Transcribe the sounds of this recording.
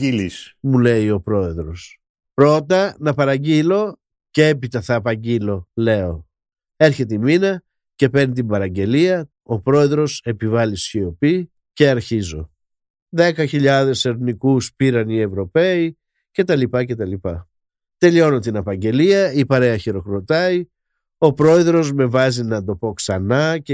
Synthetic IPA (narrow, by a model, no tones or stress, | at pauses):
ilismule̞io̞pɾo̞e̞ðɾo̞s | pɾo̞t̪ɐnɐpɐɾɐɲɟilo̞ | ceepit̪ɐθɐːpɐɟilo̞le̞o̞ | e̞ɾçe̞t̪̬eiminɐ | ce̞pe̞ɾnit̪imbɐɾɐɲɟe̞liɐ | o̞pɾo̞e̞ðɾo̞se̞pivɐlisçio̞pi | ce̞ɐɾçizo̞ | ðe̞kɐçiʎɐðe̞se̞ɾnikuspiɾɐnie̞vɾo̞pe̞i | ce̞t̪ɐlipɐce̞t̪ɐlipɐ | t̪e̞ʎio̞not̪inɐpɐɲɟe̞liɐipɐɾe̞ɐçiɾo̞kɾo̞t̪ɐi | o̞pɾo̞e̞ðɾo̞zme̞vɐzinɐd̪o̞po̞ksɐnɐ